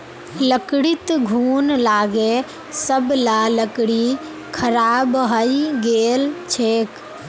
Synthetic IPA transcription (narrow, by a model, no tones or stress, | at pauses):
ləkɽɪt̪ɡʱuːnlaːɡe | səblaləkɽi | kʰəɾaːbɦəiɡeːlt͡ʃʰeːk